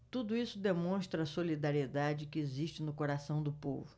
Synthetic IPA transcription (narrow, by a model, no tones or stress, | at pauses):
t̪ud̪ʊisʊd̪emõst̪ɾɐːsolid̪aɾied̪ad͡ʒɪkɪeziʃt͡ʃɪnʊkoɾasɐ̃w̃d̪ʊpo̰vʊ